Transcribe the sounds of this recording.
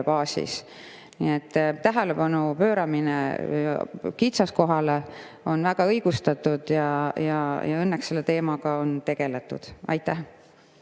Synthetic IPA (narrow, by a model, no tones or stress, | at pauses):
pɑːsḭs | niet̪ːˑtːæɦele̞pɑnupø̞ːɾɑminḛ | kit̪sɑsko̞ɦɑle | o̞nvæɡ̥ɑɤjɡ̥ust̪ɑt̪ːˑud̪̥jɑjɑjɑ̰ɤnːekse̞lːet̪e̞ːmɑɡ̥ɑo̞nt̪e̞ɡ̥e̞let̪ˑːṵd̪̥ɑ̰jt̪ːˑæh